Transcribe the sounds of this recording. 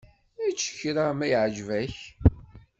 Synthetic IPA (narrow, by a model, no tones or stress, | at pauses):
æt͡ʃːə̥çɾamæjʕd͡ʒvæç